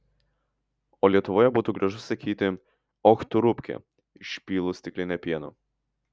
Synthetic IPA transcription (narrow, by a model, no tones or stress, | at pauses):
oːlʲiɛt̪ʊʋoːjɛbuːt̪uːɡɾɐʒʊsɐkʲiːt̪ʲɪ | ɔxt̪ʊɾʊpʲkʲɛ̰ | ɪʃʲpʲiːlˠʊsʲt̪ʲɪklʲɪnʲɛpʲiɛno̰